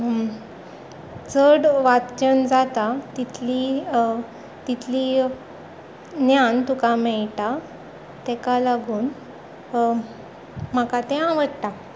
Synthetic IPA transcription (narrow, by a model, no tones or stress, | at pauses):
t͡səɽʋat̪t͡ɕənd͡zat̪at̪it̪ʰli | t̪it̪ʰliː | njant̪ukamɛɭʈa | t̪ɛkalaɡuːn | m̤əkat̪ɛɦãʋəɽʈ̪a